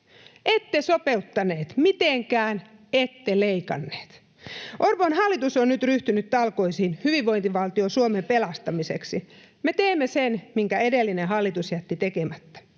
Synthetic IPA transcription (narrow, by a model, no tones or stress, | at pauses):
ʔet̪ːesopeut̪ːɑneːt̪mit̪eŋkæːnet̪ːeleikɑ̰nːe̥ːt̪ | ʔorponhɑlːit̪usonnyt̪ryht̪ynyt̪t̪ɑlko̞isiːnhyʋiʋːoint̪iʋɑlt̪iosuomempelɑst̪ɑmisḛksi | met̪eːmːesenmiŋkæedelːineɦɑlːit̪usjæt̪ːit̪ekemæt̪ːæ̥